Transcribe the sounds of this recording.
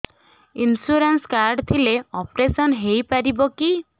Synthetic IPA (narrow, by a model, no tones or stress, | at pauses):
insuɾanskaɾɖt̪ʰileɔpɾesɔnɦejpaɾibɔki